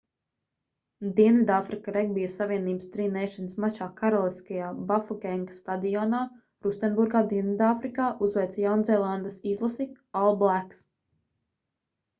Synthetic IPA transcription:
d̪iɛnvʲid̪aːfɾikaɾɛɡ̚bijasaviɛniːbəst̪ɾiːnɛjʃanəsmat͡ʃaːkaɾɔlˠiskajaːbafɔkɛŋɡḁst̪ad̪ijɔːnaː | ɾust̪ɛnbuɾɡaːd̪iɛnvid̪afɾikaːʔuzvɛjt̪sjawnzɛːlˠand̪əsizlˠasi | alˠblˠæks

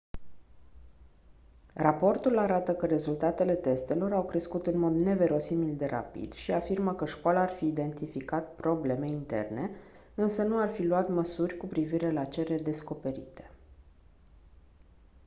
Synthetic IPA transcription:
rapo̞rt̪ulaɾat̪əkəɾe̞zult̪at̪e̞le̞t̪e̞st̪e̞lo̞ɾawkɾe̞skut̪ɨnmo̞d̪ne̞ve̞ɾo̞similʲd̪e̞ɾa̰pḭd̪̥ʃiafirməkəʃkoalaːrfiːd̪e̞nt̪ifikat̪̚pɾo̞ble̞me̞int̪e̞̰rne̞ | ɨnsənuarfiluat̪məsurʲkupɾiviɾe̞lat͡ʃe̞ɾed̪e̞sko̞pe̞ɾḭt̪e̞̥

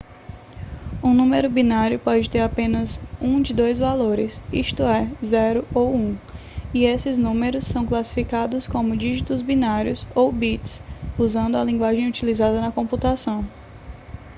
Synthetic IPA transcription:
ũnũmeɾʊbinaɾjʊpɔd͡ʒɪt̪eɾapẽnɐzũd͡ʒɪd̪ojzvaloɾɪsḭʃt̪ʊɛzɛɾʊowũ | iesɪznũmeɾʊsːɐ̃w̃klasi̥fikad̪ʊskõmʊd͡ʒiʒit̪ʊzbinaɾjʊsowbit͡ʃsuzɐ̃nd̪ʊɐlĩŋɡwaʒẽj̃ut͡ʃilizad̪ɐnɐkõmput̪asɐ̃w̃

